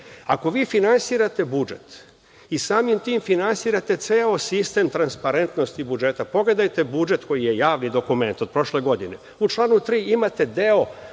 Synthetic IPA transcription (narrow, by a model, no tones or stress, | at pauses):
ako̞ʋiːfinansiːɾat̪e̞bud͡ʒe̞̰t̪ | isaːmimt̪iːmfinansiːɾat̪e̞t̪seːosist̪e̞ːmt̪ɾanspaɾe̞nt̪no̞st̪ibud͡ʒe̞t̪apo̞ɡle̞d̪ajt̪e̞bud͡ʒe̞t̪ko̞jije̞jaːʋnid̪o̞kume̞nt̪od̪̚pɾo̞ʃle̞ɡo̞d̪ine̞ | ut͡ʃlˠaːnut̪ɾiːimat̪e̞d̪e̞o̞